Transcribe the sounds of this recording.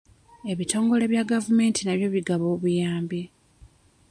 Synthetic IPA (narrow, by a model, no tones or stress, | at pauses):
e̞βitʰo̞ːŋɡo̞le̞βjaɡavume̞ːntinaβjo̞βiɡaβo̞ːβujaːmbi